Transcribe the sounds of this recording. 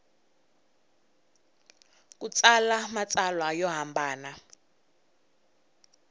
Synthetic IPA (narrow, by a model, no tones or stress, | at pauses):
k̬ʼut͡sʼalamat͡sʼalwajɔɦambʱaːna